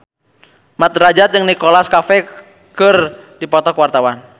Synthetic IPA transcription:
mat̪ɾad͡ʒat̪̚d͡ʒəŋnikɔlaskafɛ | kərdipɔt̪ɔkwart̪awan

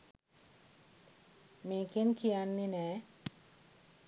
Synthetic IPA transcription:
meːkenkijanːenɛː

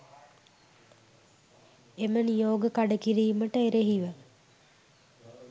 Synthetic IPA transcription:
emənijoːɡəkaɖəkiɾiːməʈəeɾeɦiʋə

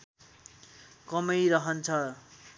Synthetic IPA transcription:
kʌmʌjɾʌɦʌnt͡sʰʌ

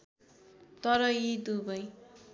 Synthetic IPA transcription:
t̪ʌɾʌjid̪ubʌj

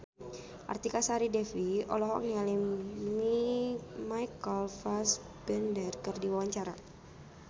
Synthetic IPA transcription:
ʔa̰rt̪ikasaɾidɛfiɔ̰lɔɦɔŋialimi | majkəlfas | b̥ɛndərkərdiwawaɲt͡ʃaɾa̰

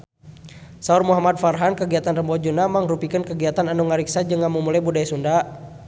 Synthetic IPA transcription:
saurmuɦamad̪̚farɦankəɡiat̪anrəmbɔd͡ʒunamaŋrupikənkəɡiat̪ananuŋaɾiksad͡ʒəŋamumulajbudajsunda

